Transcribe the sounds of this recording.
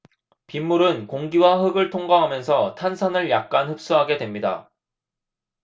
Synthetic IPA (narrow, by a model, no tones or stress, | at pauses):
pimːuɾɯnkoŋɡiwaɦɯɡɯɭtʰoŋɡaɦamjʌnsʰʌtʰansʰanɯɭjak̚k͈anhɯp̚s͈uɦaɡe̞dwe̞mɲida̰